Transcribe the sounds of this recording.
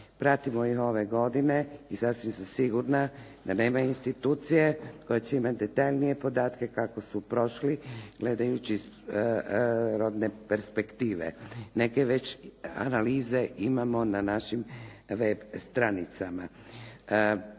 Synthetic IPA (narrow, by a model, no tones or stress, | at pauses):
pɾat̪imoiɦo̞ʋe̞ɡo̞d̪ine̞isasʋimsamsiɡuɾna | d̪ane̞ːmainst̪it̪uːt̪sije̞kojet͡ɕeimat̪̚d̪e̞t̪aʎnije̞po̞d̪aːt̪ke̞kako̞supɾo̞ʃliɡ̥le̞d̪ajut͡ɕis | ɾo̞d̪nepeɾspekt̪iːʋḛne̞keʋe̞t͡ɕa̰naliːze̞ʔimamo̞nanaʃimʋebst̪ɾanit̪sama